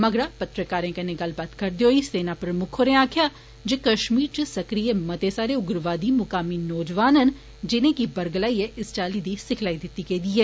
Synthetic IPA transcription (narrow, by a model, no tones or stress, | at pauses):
mɐɡɾapɐt̪ɾəkaːɾẽkɐnẽɡɐlbat̪kɐɾd̪eoiseːnapɾɐmʊkʰːoːɾẽaːkʰjaː | d͡ʒekɐʃmiːɾt͡ʃisɐkɾijemɐt̪esaːɾeʊɡɾʋaːd̪imʊkaːminɔːd͡ʒʋaːnən | d͡ʒɪnẽːkibɐɾɡlaːieʔɪst͡ʃaːlid̪isɪkʰlaːid̪ɪt̪ːikeːd̪iːeː